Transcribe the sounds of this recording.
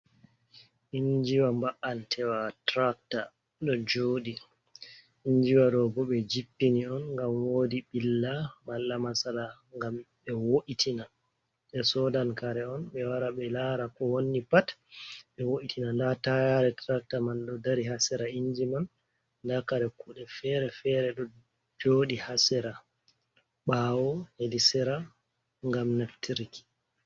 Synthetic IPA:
ʔiɲd͡ʒiwambaʔantʰɛwatɾak̚ta | ɗɔd͡ʒoːɗi | iɲd͡ʒiwaɗɔbɔɓɛd͡ʒipːiniɔnŋɡamwoːdiɓilːamalːamasala | ŋɡamɓɛwoʔitʰina | ɓɛsɔdankaɾɛɔnɓɛwaɾaɓɛlaɾakɔwonːipatɓɛwoʔitʰinandatajaɾɛtɾak̚tamanɗɔdaɾiɦasɛɾaind͡ʒiman | ndakaɾɛkuɗɛfɛɾɛfɛɾɛɗɔ | d͡ʒoːɗihasɛɾa | ɓaːwɔhelisɛɾa | ŋɡamnaftiɾiki̥

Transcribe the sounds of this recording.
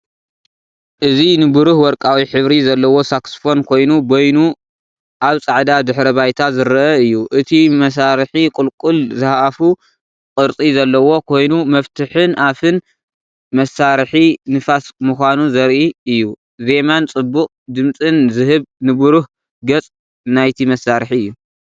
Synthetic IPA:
ʔɨzinɨbɨɾuhwɔɾkʼawiħɨβɾizɐlːɐwo̞saksfo̞nkʰo̞jnubo̞jnu | ʔaβt͡sʼaʕd̪ad̪ɨħɾɐβajt̪ʰazɨɾʔɐɨjːuʔɨt̪ʰimɐs̬aɾħikʼʊlkʼulzɨhaʔafu | kʼɨɾt͡s̪ʼizɐlːɐwo̞kʰo̞jnumɐft̪ʰɨħɨnʔafɨn | mɐsaɾħinɨfasmuxʷanuzɐɾʔiɨjːu | ze̞mant͡sʼɨbːʊkʼd̪ɨmt͡sʼɨnzɨɦɨβnɨβuɾuh | ɡɐt͡sʼ | najt̪ʰimɐsaɾħiɨjːu

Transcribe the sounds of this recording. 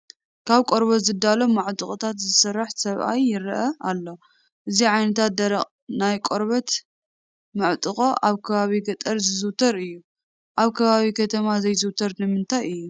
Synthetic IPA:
kʰaβkʼoɾbɐt̪zɨd̪alo̞mːaʕt̪ʼuχʼot̪ʰat̪zɨsɐrːaħsɐβʔa̰jːɪɾʔɐalːo̞ | ʔɨziʕajnɐt̪ʰat̪̚d̪ɐɾɐχʼ | najkʼoɾβɐt̪ | mɨʕt̪ʼɨχʼoʔaβkʰɐβaβiɡɐt̪ʼɐɾzɨzɨt̪ʰɐɾɨjːu | ʔaβkʰɐβaβikʰɐt̪ʰɐmazɐjzɨwt̪ʰɐɾnɨmɨnt̪ʰajɨjːu

